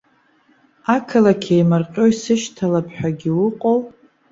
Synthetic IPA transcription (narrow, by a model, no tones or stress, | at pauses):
akʰɨlakʲʰejmarqʲʼo̞jsɨʃtʰalapʰʼħʷᶣaɡʲɪwʊqʼow